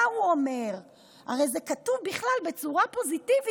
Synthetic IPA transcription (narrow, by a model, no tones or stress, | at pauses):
auome̞ʁ | a̰ʁe̞jze̞katuvbiχlalbe̞t͡suʁapo̞zitivi